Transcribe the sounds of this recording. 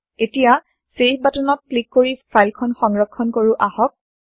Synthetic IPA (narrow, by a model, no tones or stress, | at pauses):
etija | sepbatɔnɔt̚klikːoɹipʰajlkʰɔnxɔŋɹɔkʰːɔnkoɹuʔahɔk̚